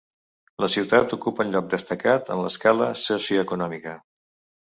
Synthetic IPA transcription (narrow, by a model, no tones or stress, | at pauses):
ləsiwt̪at̪ukupəunʎɔk̚d̪əst̪əkat̪ə̰nləskaləsusiəkunɔmikə